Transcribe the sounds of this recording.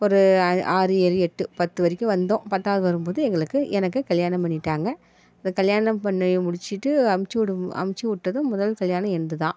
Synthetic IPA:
ɔɾɯaːɾɯɛlɛʈːɯpɐt̪ːɯʋɐɾɪkʲːɯ̃ʋɐnd̪õːpɐt̪ːaːʋɐðɯʋɐɾɯmpoːðɯɛŋɡɐɭɯkːɯʔɛnɐk̬ːɯkɐɭjaːnɐ̃mpɐɳːɪʈːaːŋɡɐ | ɐðɐkɐɭjaːnɐmpɐɳːɯmʊɽɪt͡ʃːɪʈːɯɐmt͡ʃːɽɯɐ̰mt͡ʃːiʊʈːɐðɯ̃mʊðɐlkɐɭjaːnɐ̃ɛnd̪ɯt̪ãː

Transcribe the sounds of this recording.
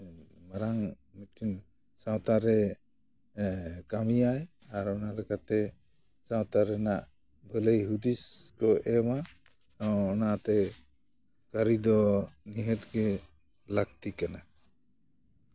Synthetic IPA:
maɾaŋ | miin | sawt̪aɾɛ | kamijajaɾɔnalɛkat̪ɛ | sawt̪aɾɛnaʔ | bʱələjɦud̪iskɔʔɛma | awɔnat̪ɛ | kaɾid̪ɔniɦət̪ɡɛ | lak̚t̪ikana

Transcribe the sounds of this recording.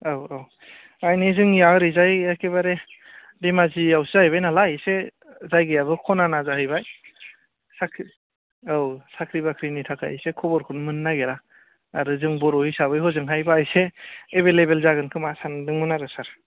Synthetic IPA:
awaw | ajnizɯŋijaɾizajakʰebaɾe | demaziawszahɯjbajnalajse | zajɡɯjabɯkʰɔnanazaɦɯjbaj | sakʰi | awsakʰɾibakʰɾinitʰakʰa̰jsekʰɔbɔɾkʰɯnmɯnːaɡeɾaː | ɾɯzɯŋbɔɾɔhisabɯjɦɔzɯŋɦajbaːjseːβelebelzaɡɯnkʰɯmasandɯŋmɯnaɾɯsaɾ

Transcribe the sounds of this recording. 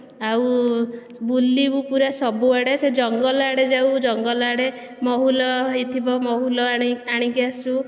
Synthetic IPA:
aw | bulːibupuɾesɔbuaɽesed͡ʒɔŋɡɔlaɽed͡ʒawd͡ʒɔŋɡɔlaɽe | mɔɦulɔɦjt̪ʰibɔmɔɦulɔaɽ̃ikiasu

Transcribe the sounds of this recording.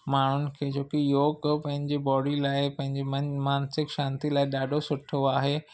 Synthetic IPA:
maːɳ̤ʊnɪ̆kʰeːd͡ʑoːkijoːɡpɐ̃ɦɪ̃ɲd͡ʑibɔːɖilaːɪpɐ̃ɦɪ̃ɲd͡ʑimaːnsɪkʃãːnt̪ilaːɪɗaːɖʱosʊʈʰoaːɦeː

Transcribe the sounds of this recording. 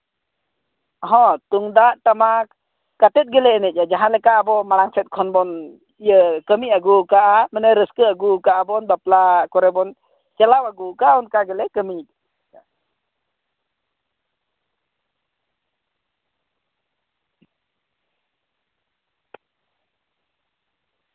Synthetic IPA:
ɔɦɔ̃t̪uŋd̪aʔt̪ama | kat̪ɛt̪̚ɡɛlɛɛnɛt̪̚jad͡ʒaɦanlɛkaʔabɔmalaŋsɛt̪̚kʰɔnbɔn | ijəkəmiaɡukaʔamənəɾəskəaɡukaʔabɔnbaplakɔɾɛbɔn | t͡ʃɛlawaɡukaɔnkaɡɛlɛkəmi

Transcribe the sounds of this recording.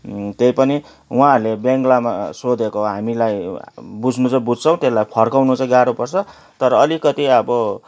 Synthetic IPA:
t̪ejpʌni | ũãʌrlebaŋɡlama̰sod̪ʱekoɦamilajbud͡zʱnut͡sʌ̃bud͡zʱt͡sʰʌ̃w̃t̪eslajpʰʌrkawnut͡sʌj̃ɡaɾupʌrt͡sʰʌ | t̪ʌɾʌːlikʌt̪iʌbʌ

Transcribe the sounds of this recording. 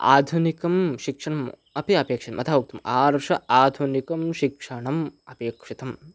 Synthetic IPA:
a̰ːd̪ʱunikɐmʃikʂɐɳɐm | ɐpiɐpeːkʂɐt̪ɐmʔɐt̪ʰaːʋuk̚t̪ɐmaːɾʂɐaːd̪ʱunikɐmʃikʂɐɳɐmɐpeːkʂit̪ɐm

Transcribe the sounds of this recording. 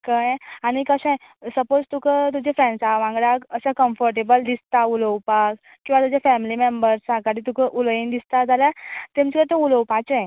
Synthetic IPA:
kajañikəɕãj | səpod͡zt̪ukət̪̬ud͡ʑefɾɛ̃nsaʋãŋɡɽakəsakəmfəɾʈ̬ebəld̪ist̪auləwpak | kːĩw̃ʋat̪ud͡ʑefɛmilimembəɾsãkaɽit̪ukəʔulind̪ist̪ad͡zaljat̪ẽmt͡ɕkət̪ouləwpat͡səj

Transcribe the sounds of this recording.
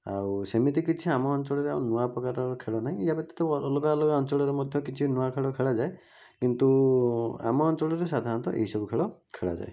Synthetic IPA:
a̰wsemit̪ik̬it͡ʃʰiamɔːnt͡ʃɔɭɔɾea̰wnuapɔkaɾaɾɔkʰeɭɔnaɦĩijapɔt̪ḁt̪ɔɔlɔkalɔkaɔnt͡ʃɔɭɔɾemɔd̪ʱjɔkit͡ʃʰinuakʰeɭɔkʰeɭad͡ʒae | kint̪u | a̰mɔːnt͡ʃɔɭɔɾesad̪ʱaɾɔnt̪ɔʔḛɦisɔbukʰeɭɔkʰeɭa̰d͡ʒa̰e

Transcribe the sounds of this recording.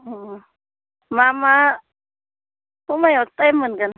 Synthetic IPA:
mama | umajot̪ajmənkan

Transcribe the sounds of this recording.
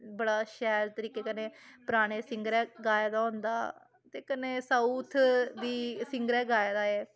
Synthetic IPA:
bəɽaːʃɛːɾt̪əɾiːkeːkəneːpɾaːɽ̃eːsɪŋɡɾɛ̃ːɡaːjaːd̪aːɦõːnd̪a̰ː | t̪eːkəneːsauːt̪ʰd̪iːsɪŋɡəɾɛ̃ːɡaːjaːd̪aːɛː

